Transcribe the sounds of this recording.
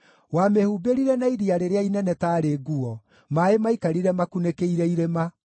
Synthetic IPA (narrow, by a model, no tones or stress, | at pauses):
wamehubeɾiɾɛnaiɾiaɾeɾeainɛnɛtaːɾeɡuɔ | maemaikaɾiɾɛmakunekeiɾɛiɾema